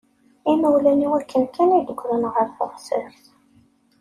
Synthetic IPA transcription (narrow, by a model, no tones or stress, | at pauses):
iməwlæniwækːənkænid̪əɡʷːɾənʁəɾθoʁsɪɾθ